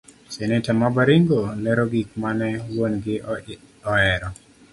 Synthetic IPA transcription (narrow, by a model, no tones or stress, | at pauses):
sɛnɛtamabaɾiŋɡolɛɾɔɡik̚manɛwonɡɪ | ɔɛɾɔ